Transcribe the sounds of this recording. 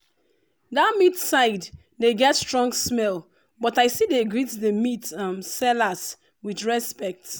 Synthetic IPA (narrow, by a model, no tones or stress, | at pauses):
datmitsaɪd | deɡɛtstɹɔ̃ŋɡsmɛl | bɔtaɪsideɡɹitdəmitmsɛlas | widɹɛspɛk̚t